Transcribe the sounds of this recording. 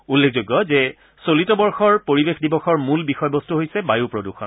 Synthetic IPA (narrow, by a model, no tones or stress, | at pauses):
ulːekʰzojɡjɔzɛ | solitɔbɔɹxɔɹpoɹibexdibɔxɔɹmulbixɔjbɔstuɦojsɛbajupɹoduxʰɔn